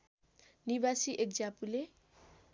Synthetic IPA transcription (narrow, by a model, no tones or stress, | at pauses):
nibasiʔek̚d͡zapule